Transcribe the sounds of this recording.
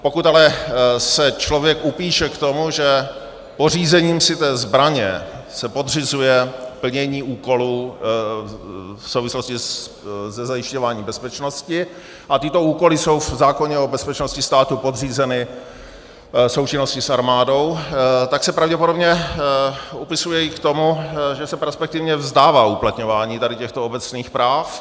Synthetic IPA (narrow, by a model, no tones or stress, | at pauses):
po̞kut̪alɛsɛt͡ʃlo̞vjɛkupiːʃɛkt̪o̞muʒɛ | por̝iːzɛɲiːmsɪt̪ɛːzbɾaɲɛ̰ | sɛpo̞d̪rɪzujɛpl̩ɲɛɲiːuːko̞luː | fsowvɪslo̞scɪ | zɛzajɪʃco̞vaːɲiːbɛspɛt͡ʃno̞scɪ | ʔat̪ɪt̪o̞uːko̞lɪso̞wvzaːko̞ɲɛobɛspɛt͡ʃnoscɪst̪aːt̪upo̞d̪r̝iːzɛnɪ | so̞wt͡ʃɪno̞scɪsʔaɾmaːdo̞wt̪aksɛpɾavɟɛpodo̞bɲɛ | upɪsujɛɪkt̪o̞muʒɛsɛpɛspɛk̚t̪ɪvɲɛvzd̪aːvaːuplat̪ɲo̞vaːɲiːt̪adɪcɛxt̪oobɛt͡sniːxpɾaːf